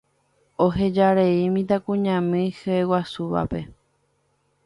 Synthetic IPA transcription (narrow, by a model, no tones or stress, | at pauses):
oɦe̞d͡ʒaɾeimĩt̪̬akũɲãmɨ̃hɨewasuʋa̰pe̞